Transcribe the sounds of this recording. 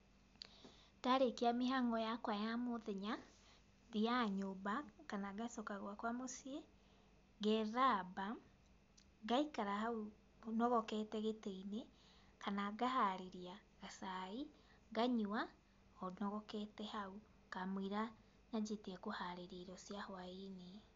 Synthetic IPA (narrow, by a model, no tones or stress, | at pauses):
daɾekiamiɦaŋɡɔjakwajamoðeɲa | ðiaɲobakanaɡasɔkaɣwakwamosiɛ | ɣɛɾaba | ɣaikaɾahau | nɔɣɔkɛtɛɣeteine | kanaɡahaɾeɾia | ɣasai | ɣaɲua | ɔnɔɣɔkɛtɛhau | kamwiɾa | nad͡ʒetiɛkohaɾeɾeɾɔsiahwaine